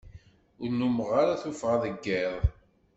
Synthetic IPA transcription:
ʊɾnuməʁaɾaθufʁaðəɡːeðˤ

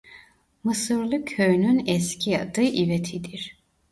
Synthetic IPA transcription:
mɯsɯɾlˠɯkʲʰøjnynɛscʰijad̪ɯʔivet̪ʰid̪iɾ̥

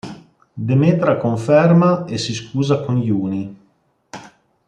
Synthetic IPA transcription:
d̪emet̪ɾakoɱfɛrmaesiskuːzakonʎuːni

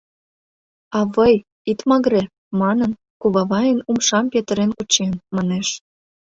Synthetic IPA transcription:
ɑβəj | it̪mɑɣɾe | mɑnən | kuβɑβɑjənumʃɑmpet̪əɾenkut͡ɕenmɑneʃ

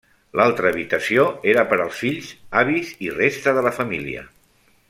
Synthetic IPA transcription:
lalˠt̪ɾəːβit̪əsioeɾəpəɾəlˠsfiʎz̥aβizirest̪əðələfəmilḭə̰

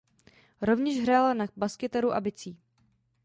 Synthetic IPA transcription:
ɾo̞vɲɛʃɦɾaːlanabaskɪt̪ɛɾuʔa̰bɪt͡siː

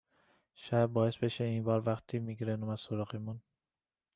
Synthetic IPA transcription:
ʃæb̚bɒːesbeʃeiːnbɒːɾvæxt̪ʰiːmiːɡiɾenomæ̥soɾɒːɣemun

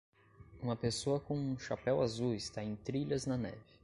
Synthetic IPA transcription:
ũmɐpesoɐkõũʃapɛwazuɪst̪aẽj̃t̪ɾiʎɐznɐnɛ̰vɪ

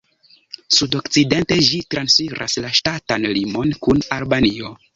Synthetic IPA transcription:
sudo̞kt͡side̞nte̞d͡ʒitɾansfiɾʔa̰slaʃtatanlimo̞nkunalbanio̞

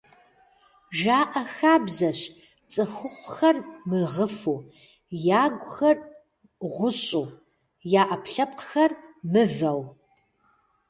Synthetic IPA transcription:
ʒaːʔɐxaːbzɐɕ | t͡sʼɨxʷʊqʷxɐrmɨʁəfuː | jaːɡʷʼʊxɐr | ʁʷʊɕʼuː | jaːʔɐpɬɐp̚qxɐrmɨvɐw

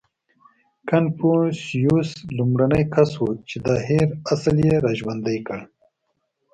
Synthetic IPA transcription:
kanpusjuslumɾanəjkʰaswot͡ʃed̪ɑːɦeɾasaljeɾaʒwand̪əjkəɽ

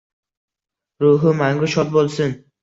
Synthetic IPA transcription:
ɾuɦʊmaŋɡʊʃɒt̪̚bolˠsɪn

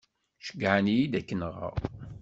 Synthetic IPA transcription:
ʃə̥ɡʕənjid̪ækːənʁə̰ʁ

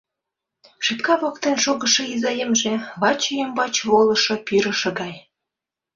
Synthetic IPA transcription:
ʃepkɑβɑkt̪enʃoɣə̆ʃɤ̆izɑjəmʒĕβɑt͡ɕəjəmbɑt͡ɕβolɤ̆ʃɤ̆pyɾə̆ʃɤ̆ɡɑj

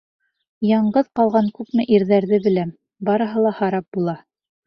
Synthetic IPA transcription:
jɑɴɢɤðqɑlˠʁɑŋkʉpmɘʔiɾðæɾðɘbɘ̆læm | bɑɾɤ̆ɦɤlˠɑhɑɾɑp̚bulˠɑ

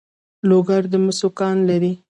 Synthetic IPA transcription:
loɡaɾd̪əmʊsokɑnlaɾi

